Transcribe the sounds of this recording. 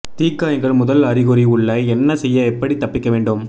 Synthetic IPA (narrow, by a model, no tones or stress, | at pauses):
t̪iːkːaːjɐŋɡɐɭmʊðɐlɐɾɪɣɯɾiʊɭːɐɛnːɐsɛjːɐɛpːɐɽit̪ːɐpːɪkːɐʋeːɳɖɯm